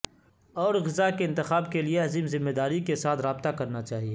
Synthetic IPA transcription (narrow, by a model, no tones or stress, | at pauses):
ɔːɾɣɪzakeɪ̃nt̪ɪxaːb̚kelieɐziːmzɪmːed̪aːɾikesaːt̪ʰɾaːbt̪akɐɾnat͡ʃaːɦieː